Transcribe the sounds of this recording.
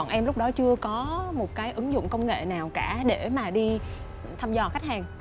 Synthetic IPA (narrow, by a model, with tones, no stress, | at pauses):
nʔɛ˧mlʊ˦˥k͡p̚ɗɔ˨˦t͡ɕɨ˧əkɔ˨˦mo˨˩t̚kaː˨˦jʔɨ˨˦ŋzʊ̰˧˨ŋ͡mkə˧wŋ͡mŋḛ˧˨naː˨˩wkaː˧˩ɗe˧˩maː˨˩ɗi˧ | t̪ʰaː˧mzɔ˧˩xa˦˥k̚haː˨˩ŋ